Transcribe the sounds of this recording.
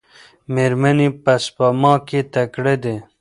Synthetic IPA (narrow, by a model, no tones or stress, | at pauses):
meɾmɐnipɐspəmɑ̃ːket̪ɐkɽed̪e